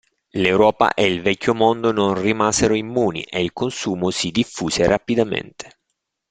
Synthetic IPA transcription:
lewɾɔːpa̰ʔeilvɛcʲːomond̪ononrimaːzeɾoimːuːnḭʔeilkonsuːmosid̪ifːuːseɾapid̪amḛnt̪ʰe̥

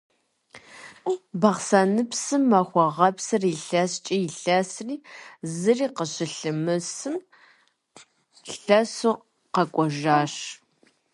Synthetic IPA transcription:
bɐʁsaːnɨpsɨmːɐχʷɔʁɐpsɨriɬɐst͡ʃʼijɪɬɐsriːzɨriːqəɕɪɬɨmɨsɨm | ɬɐsu | qɐkʷʼɔʒaːɕ

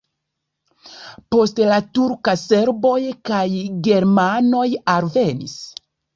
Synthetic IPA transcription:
po̞stlatuɾkase̞ɾbo̞jkajɡe̞ɾmano̞jalve̞nḭs

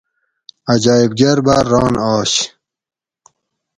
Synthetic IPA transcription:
ɐd͡ʑɑːibɡɐɾbaɾːɑːnɑːɕ

